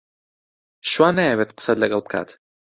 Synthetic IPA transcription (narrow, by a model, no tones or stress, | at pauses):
ʃwaːnːajɛwet̪qə̥sat̪lɐɡɐlˠb̚kʰa̰ːt̪